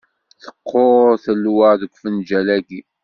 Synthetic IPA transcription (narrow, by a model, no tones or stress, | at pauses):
θə̥qʰːoɾθəlːwəʕðəkʷːfənd͡ʒælæɡi